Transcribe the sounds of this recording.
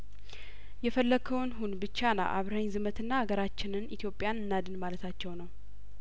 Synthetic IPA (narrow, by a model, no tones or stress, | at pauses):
jɛfəlːəkʰəwnɦunbɨt͡ʃːana̰ʔaβɾəɲzɨmət̪ʰɨnːaːɡəɾat͡ʃːɪnɨnit̪ʰjo̞pʼːjanɨnːad̪ɨnmalət̪ʰat͡ʃːɛwnəw